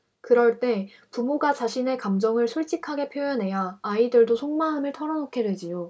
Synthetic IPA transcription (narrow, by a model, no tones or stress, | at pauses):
kɯɾʌɭt͈e̞ | pumoɡat͡ɕaɕʰine̞kamd͡ʑʌŋɯɭsʰuɭt͡ɕ͈ikʰaɡe̞pʰjojʌnɦe̞jaːidɯɭdosʰoŋmaɦɯmɯɭtʰʌɾʌnokʰe̞dwe̞d͡ʑijo